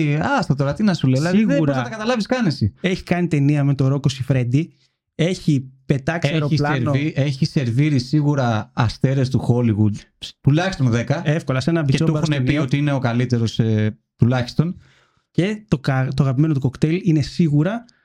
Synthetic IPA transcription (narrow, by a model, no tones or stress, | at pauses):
ɐst̪ɐt̪oɾɐt̪inɐsulelɐðieuɾosɐɐɐt̪ɐkɐt̪ɐlɐviskɐnesieçi̥kɐnit̪e̞niɐme̞t̪o̞ɾo̞ko̞sifɾe̞nd̪i | e̞çipe̞t̪ɐkseɾolɐɾnoieçise̞ɾviɾisiɣuɾɐːst̪e̞ɾe̞st̪uxo̞liɣud̪t̪ulɐçist̪o̞nðekɐe̞fko̞lɐsenɐbiesoobɐxusnemiot̪iine̞o̞kɐlit̪e̞ɾo̞s | t̪ulɐçist̪o̞n | ce̞t̪o̞kt̪oaɐɣɐpime̞not̪uko̞kt̪eline̞siɣuɾɐ